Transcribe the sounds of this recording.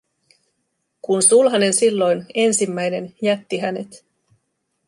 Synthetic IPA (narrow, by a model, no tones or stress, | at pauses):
kunsulɦɑne̞nsilːo̞jne̞nsimːæjne̞njæt̪ːiɦæne̞̰t̪